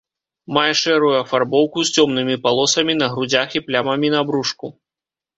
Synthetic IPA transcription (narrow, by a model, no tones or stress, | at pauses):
majɛʂɛɾujuɐfarbɔwkust͡sʲɔmnɨmʲipalˠɔsɐmʲin̪ɐɣɾud͡zʲaxiplʲamɐmʲinɐabɾuʂku